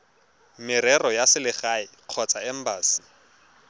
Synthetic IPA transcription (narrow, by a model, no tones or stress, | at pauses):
mɪɾɛrɔjasɪlɪχaɪq͡χʰɔt͡sʼaɛm̩baːsi̥